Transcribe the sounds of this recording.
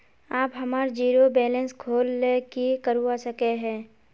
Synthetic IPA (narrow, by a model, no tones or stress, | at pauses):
aːpɦɐmaːɾd͡ʒiːɾobɛːlə̃nskʰoːlːekikəɾuasəkeɦɛ̃ː